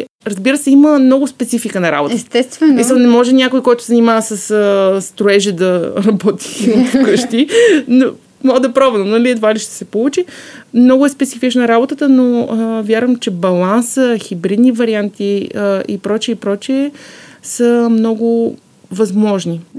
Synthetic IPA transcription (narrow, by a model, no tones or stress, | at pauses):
ɾɐzbiɾəsɛiməmnɔɡʊspɛt̪sifikənɐɾa̰bot̪əst̪ɛst̪vɛsmislˠnɛmɔʒɛnʲjakojkɔjt̪ʊ̥szɐnimavɐsəsəst̪ɾoɛʒɛd̪ɐɾɐbɔt̪ʰi̥p̪kəʃt̪ino | mɔd̪ɐpɾavɛlnonɐliɛt̪valiʃt̪ɛ̥sɛpolˠut͡ʃimnɔɡʊɛspɛt̪sifit͡ʃnəɾabot̪ət̪ənoəvʲjaɾvəmt͡ʃɛbɐlˠansəxibɾid̪nivɐɾiant̪iəḭpɾɔt͡ʃiɛipɾɔt͡ʃiɛsəmnɔɡʊ | vɐzmɔʒni